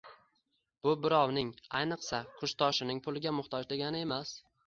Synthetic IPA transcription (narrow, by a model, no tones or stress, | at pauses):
b̥ʊbɪɾɒwnɪŋajnɨqsakʰʊʃt̪ʰɒʃɪnɪŋpʰʊlˠɪɡʲamʊχt̪ʰɒd͡ʒd̪e̞ɡʲanɪe̞mas